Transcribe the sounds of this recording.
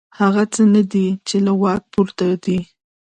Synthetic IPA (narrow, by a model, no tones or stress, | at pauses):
haɣat͡sənad̪it͡ʃelawɑk̚puɾt̪ad̪i